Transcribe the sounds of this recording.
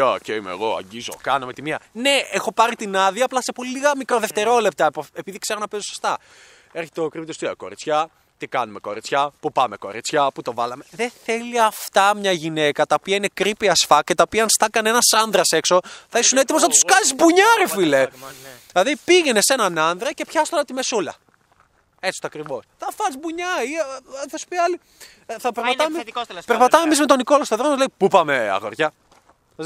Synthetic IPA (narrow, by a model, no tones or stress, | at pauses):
oceimḛɣo̞ɐ̰ɲɟizokɐnɐmet̪imiɐne̞exo̞pɐɾit̪inɐðiɐːplɐsepoliliɣɐmikɾo̞ðe̞ft̪e̞ɾo̞le̞p̚t̪ɐpoepiðikse̞ɾonɐpezoso̥st̪ɐ | eɾçet̪eokɾipit̪ost̪iko̞ɾit͡sçɐ | t̪ikɐnume̞ko̞̰ɾit͡sçɐpupɐme̞ko̞̰ɾit͡sçɐput̪o̞vɐlɐme̞ðeθe̞liɐft̪ɐmɲɐʝine̞kɐt̪ɐopiɐine̞kɾipiɐsfɐcet̪ɐopiɐnst̪ɐkɐnenɐsɐnðɾɐse̞kso̞θɐisune̞t̪̬imoznɐt̪u̥skɐzizbuɲɐɾefile | lɐðipiʝene̞se̞nɐnɐnðɾɐce̞pçɐst̪olɐt̪imesulɐ̰ | et͡si̥t̪oɐkɾivo̞sθɐfɐizbuɲɐiθɐsu̥piɐli | θɐpeɾpɐt̪mepeɾpɐt̪ɐmemizmet̪o̞niko̞lost̪oðɾomɐzleipupɐmeɐ̰ɣoɾʝɐ